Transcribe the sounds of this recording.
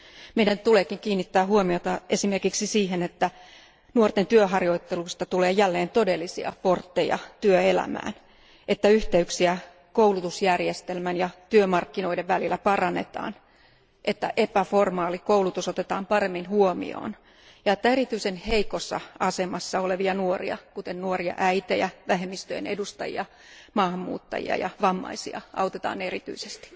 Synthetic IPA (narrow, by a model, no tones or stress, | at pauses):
meidænt̪uleːkiŋkiːnːit̪ːæːɦuomiot̪ɑʔesimerkiksisiːɦenet̪ːæ | nuort̪ent̪yøɦɑrjoit̪ːeluist̪ɑt̪uleːjælːeːnt̪odelːisḭɑ̰port̪ːejɑ̰t̪yøelæ̰mæ̰ːn | et̪ːæyht̪eyksiæ | koulut̪usjærjest̪elmænjɑt̪yømɑrkːino̞ideʋʋælilːæpɑrɑnːḛt̪ɑ̰ːn | ʔet̪ːæʔepæformɑːlikoulut̪usot̪et̪ɑːmpɑremːinhuomḭo̰ːn | jɑet̪ːæeɾit̪yisenheikosːɑ̰ɑsemɑsːɑoleʋiɑnuorḭɑ̰kut̪ennuoriɑ̰ʔæit̪ejæʋæɦemːist̪øjḛnḛdust̪ɑ̰jḭɑ | mɑːhɑmːṵːt̪ːɑ̰jḭɑ̰jɑ̰ʋɑmːɑ̰isiɑ̰ʔɑ̰ut̪et̪ɑ̰ːnerit̪y̰isest̪i̥